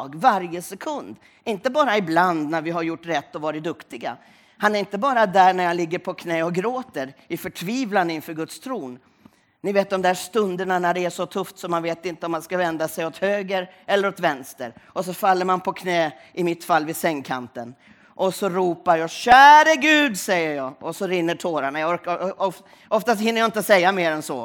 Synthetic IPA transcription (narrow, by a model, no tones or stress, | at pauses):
ɡvaɾjəsɛkʰɵnd̪ | ɪnt̪əbɑːɾaɪbland̪næɾvɪɦaɾjʊʈːɾɛt̪ːɔvɑːɾɪt̪̚d̪ɵkt̪ɪɡa̰ | hanæɾɪnt̪əbɑːɾad̪æːɳæɾjalɪɡːəɾpʰɔkʰnɛːɔɡɾoːt̪əɾɪfœʈʰviːvland̪əɪnfœːɾɡɵt̪st̪ʰɾuːn | nɪveːt̪̚d̪ɔmd̪æːʂt̪ɵnd̪əɳanæɖɛæʂɔt̪ʰɵft̪sɔmːanveːt̪ɪnt̪əɔmːanskavɛnd̪asɛjɔt̪høːɡəɾɛlːəɾɔt̪vɛnst̪əɾʔɔs̬ɔfalːəɾmanpʰɔkʰnɛː | ʔɪmɪt̪falːvɪsɛŋkʰa̰nt̪ən | ʔɔsɔɾuːpaɾjɑːɕæːɾəɡʉ̟ːd̪sɛjːəɾjɑːɔsɔɾɪnːəʈʰoːɾaɳajaɔɾkaɔf | ʔɔft̪ast̪hɪnːəɾjaɪnt̪asɛjːameːɾɛnsɔ̰ː